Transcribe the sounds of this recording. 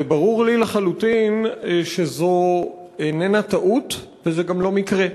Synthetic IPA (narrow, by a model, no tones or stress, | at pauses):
baʁuʁlilaχalut̪inʃezo | enenat̪aʔutvezeɡamlo̞mikʁe